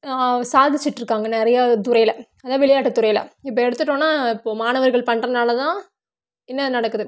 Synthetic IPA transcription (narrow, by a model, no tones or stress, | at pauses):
saːðɪt͡ʃːɪʈːɾɯkːaːŋɡɐnɪɾɐjat̪ʊɾɐjɪlɐɐðãːʋɪɭɐjaːʈːɯt̪ːʊɾɐjɪlɐ̰ɪpːɐɛɽɯt̪ːɯʈːõːnaːɪpːoːmaːnɐʋɐɾɣɐɭpɐɳːrɐnaːlɐt̪ãː | ɪnːɐnɐɽɐkːɯðɯ